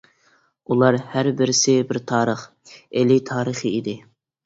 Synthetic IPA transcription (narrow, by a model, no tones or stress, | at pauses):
ulˠɑɾhæɾbɪɾɪsɪbɪɾt̪ʰɑːɾəχ | elɪt̪ʰɑːɾəχiid̪ɪ